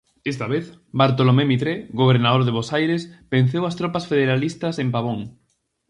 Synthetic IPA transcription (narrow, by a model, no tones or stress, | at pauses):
est̪aβeθbaɾt̪̬olomemit̪ɾeɣoβeɾnaðoɾðeβosajɾespen̟θewɐst̪ɾɔpɐsfeðeɾalist̪ɐsempaβ̞oŋ